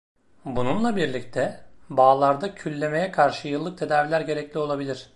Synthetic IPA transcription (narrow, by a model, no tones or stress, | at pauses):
bununlˠabiɾlʲict̪ʰɛbaːlˠaɾd̪acʰylʲːe̞me̞jɛkʰaɾʃɯjɯlˠːɯk̚t̪ʰe̞d̪aːvilʲæɾɟe̞ɾɛclʲio̞lˠabilʲiɾ̝̥